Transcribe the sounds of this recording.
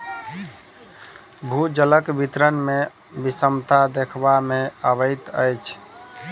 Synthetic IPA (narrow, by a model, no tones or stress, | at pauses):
bʱud͡ʒələkbit̪ɾənme | bisəmt̪ad̪ekʰbameəβəjt̪əjt͡ʃʰ